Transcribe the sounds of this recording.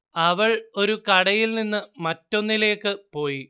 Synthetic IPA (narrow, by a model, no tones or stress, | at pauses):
ɐʋɐɭo̞ɾukɐɽɐjilninːɨmɐtːo̞nːile̞ːkːɨpo̞ːji